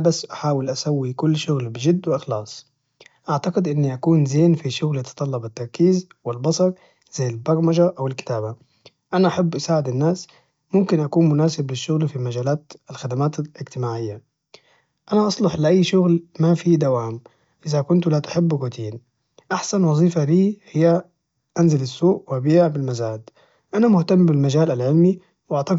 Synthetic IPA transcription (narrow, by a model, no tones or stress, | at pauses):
basːʔaħaːwɪlʔasawːikʊlːʃʊɣlbɪd͡ʒɪd̪ːwɪʔɪxlɑːsˤ | ʔaʕt̪aɡɪd̪ʔɪnːiʔakuːnzeːnfiʃʊɣlt̪ɨ̥t̪ˤɑlːɑbɪt̪ːɑɾˤkiːz | wɪlbɑsˤɑɾˤ | z̥ajːɪlbɑɾˤmaʒaʔawɪlkɪ̥t̪aːba | ʔanaʔaħabːʔasaːʕɪd̪ɪnːaːs | mʊmkɪnʔakuːnmʊnaːsɪblɪʃːʊɣlfimad͡ʒaːlaːt̪ɪlxad̪amaːt̪ɪlɪd͡ʒt̪ɪmaːʕɪjːa | ʔanaʔɑsˤlʊħlɪʔajːʃʊɣlmafid̪awaːm | ʔɪðakʊnt̪lat̪ʊ̥ħɪbːɾut̪ʰiːn | ʔaħsanwɑzˤiːfaliːhɪjːa | ʔanzɪlasːuːʔwʔabiːʕbɪlmazaːd̪ | ʔanamʊht̪amːbɪlmad͡ʒaːlalʕɪlmi | wʔaʕt̪ɑ